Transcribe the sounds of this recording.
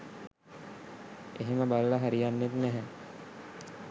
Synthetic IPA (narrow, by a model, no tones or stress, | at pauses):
eɦeməbaləlaɦæɾijanːet̪næɦɛ